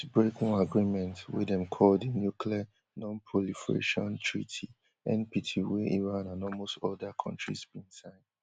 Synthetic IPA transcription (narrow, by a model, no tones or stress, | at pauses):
bɹeknoaɡɹimɛ̃ntwḭdɛ̃mkʰɔldenjukʰlia | nɔ̃npʰɹɔlifɹḛʃɔ̃ntʰɹḭtʰi | ɛ̰̃npitʰiwɛʔiɹãnãnɔlmostɔdakʰɔ̃ntɹḭsbĩnsãɪ̃nd